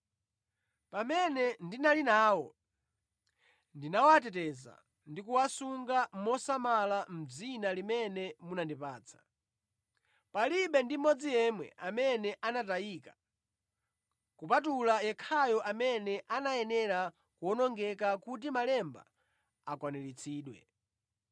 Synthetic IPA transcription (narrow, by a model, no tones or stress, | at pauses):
pamɛnɛndinalinaːwɔ | ndinawat̬ɛtɛza̰ | ndikuwasuŋɡamɔsamalam̩d͡zinalimɛnɛmunandipaːt͡sʰḁ | paliɓɛndimɔd͡zijɛmwɛ̰amɛnɛʔanatajiːkḁ | kupat̬ulajɛkʰajɔʔamɛnɛʔanajɛnɛɾa | kuɔnɔŋɡɛkakut̬imalɛmba̰ | akwanɛlit͡sʰiːɗwɛ̰